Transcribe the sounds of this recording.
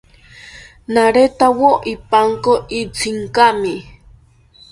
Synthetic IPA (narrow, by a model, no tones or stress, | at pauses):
naɾet̪awoʔipaŋkoit͡sʰiŋkami